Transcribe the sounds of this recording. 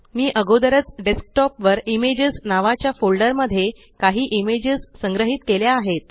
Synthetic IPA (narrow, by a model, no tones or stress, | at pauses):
miːʔəɡod̪əɾət͡sɖesk̚ʈɔpʋəɾimed͡ʑəznaʋat͡ɕjafolɖəɾməd̪ʱːje | kaɦiːʔimed͡ʑəzsəŋɡɾəɦit̪keljaːɦet̪